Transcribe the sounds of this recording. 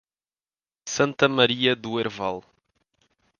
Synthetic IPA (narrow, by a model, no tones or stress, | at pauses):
sɐ̃nt̪ɐmɐɾiɐðueɾvalˠ